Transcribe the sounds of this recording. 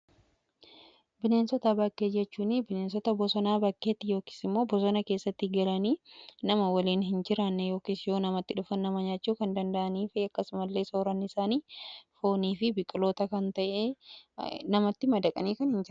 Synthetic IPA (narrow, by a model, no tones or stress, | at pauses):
bɪneːnsɔt̪ɐbɐkːeːd͡ʒɛt͡ʃːuːnɪbɪneːnsɔt̪ɐbɔsɔnaːbɐkːe̞ːt̪ːɪjoːki̥ːsɪmːo̞ːbɔs̬ɔnɐke̞ːsːɐt̪ːɪɡɐlɐniːnɐmɐwɐliːnɦɪnd͡ʒɪɾanːɛjo̞ːkiːsjo̞ːnɐmɐt̪ːɪᶑʊfɐnːɐmɐɲaːt͡ʃːuːkɐnd̪ɐnd̪ɐʔɐniːfɪɐkːɐsʊmɐlːe̞ːsoːɾɐnɪɪsaːniːfo̞ːniːfɪbɪkʼɪlo̞ːt̪ɐkɐnt̪ɐʔeː | nɐmɐt̪ːɪmɐd̪ɐkʼɐniːkɐnhɪnd͡ʒɪɾ